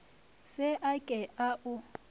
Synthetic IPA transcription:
sɪʔakʼɛaʔʊ

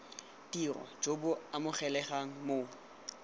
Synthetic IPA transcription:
dirɔ̰d͡ʒobʊamʊχɛlɛχaŋ̩mo

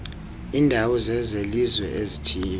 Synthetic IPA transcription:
iːndʱawɔzɛzelizwɛ̰ʔezitʰiːl

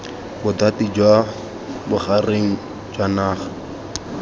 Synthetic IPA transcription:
bʊdatid͡ʒwa | bʊχareŋ̩ | d͡ʒwanaːχḁ

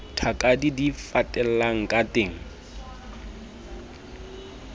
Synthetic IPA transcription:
tʰakʼadidifatʼɛl̩aŋ̩kʼateːŋ̩

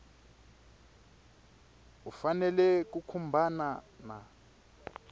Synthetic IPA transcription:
ufanɛlɛk̬ukʰumbʱanana̰

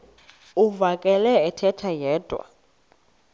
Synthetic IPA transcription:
uvakʼɛlɛɛtʰɛtʰajɛːd̥ʼʱwa̰

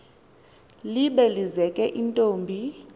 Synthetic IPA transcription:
liɓɛlizɛkʼɛʔintʼoːmbʱi

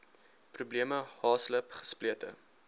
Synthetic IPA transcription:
prubliəməhɑːsləpχə̥spliətə̰

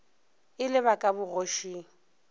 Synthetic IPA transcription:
ɪlɪβakʼabʊɣoʃiːŋ̩

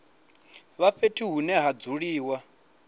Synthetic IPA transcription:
βaɸetʰiɦunɛɦad͡zuɺiːwa

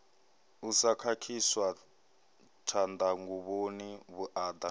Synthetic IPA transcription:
usakʰakʰiswa | tʰand̪aŋɡuβoniβuʔaːd̪a

